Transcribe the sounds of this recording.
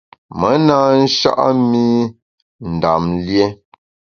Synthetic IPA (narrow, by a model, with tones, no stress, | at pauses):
mə˨˦na˦n̩˦ʃa̰˦ʔa˦mi˦ | n̩˨da˨mlje˦